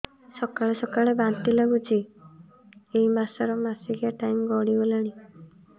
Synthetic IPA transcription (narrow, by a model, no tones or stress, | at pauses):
sɔkaɭesɔkaɭebant̪ilaɡut͡ʃʰi | eimasaɾɔmasiɡiaʈajmɡɔɽibolaɽ̃i